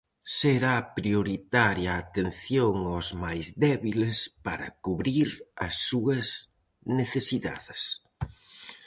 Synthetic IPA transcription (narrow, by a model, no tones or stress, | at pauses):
seɾapɾioɾit̪aɾjaːt̪enθjoŋawzmajzðɛβilespa̰ɾɐ̰kuβɾiɾɐsːuɐs | neθesiða̰ðɪs